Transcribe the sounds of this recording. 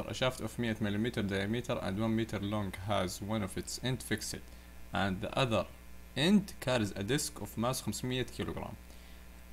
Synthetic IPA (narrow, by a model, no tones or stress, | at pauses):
ɾˤʔa̰ʃaːft̪ʊfmɪʔamɪlimiːt̪ɑɾˤd̪aːjamiːt̪ʰɑɾˤʔã̰nd̪wanmiːt̪ɑɾˤlɔŋɡɦazwanɔvɪt̪sʔɛnd̪fɪksɪ̰t̪ | ʔand̪ða̰ʔaðɑɾˤ | ʔɛnd̪kʰaːɾɪzʔad̪ɪskʊfmaːsxamsmɪʔːakʰiːluɡɾa̰ːm